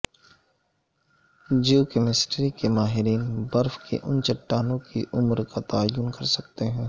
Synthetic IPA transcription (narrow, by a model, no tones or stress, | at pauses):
d͡ʒuːkɛmɪsʈɾikemaːɦɪɾiːnbɐɾfkḛʔʊnt͡ʃɐʈːaːnõkiʔʊmɾkat̪aːjʊnkɐɾsɐk̚t̪eɦɛ̃ː